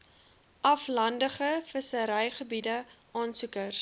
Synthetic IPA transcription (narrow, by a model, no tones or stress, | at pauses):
ʔɐflɐndəχəfəsəɾɐjχəbidəʔɑːnsukər